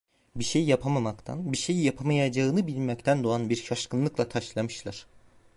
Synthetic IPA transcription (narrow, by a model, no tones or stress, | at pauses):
biʃejjapʰamamakt̪ʰa̰nbiʃejjapʰamajad͡ʒaɯnɯbilʲmɛct̪ʰænd̪oanbiɾʃaʃkʰɯnlˠɯklˠat̪ʰaʃlˠamɯʃlˠaɾ̥